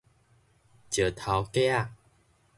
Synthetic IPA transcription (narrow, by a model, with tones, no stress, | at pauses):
t͡ɕjə˨˩t̪ʰa˨˦wkja˥˨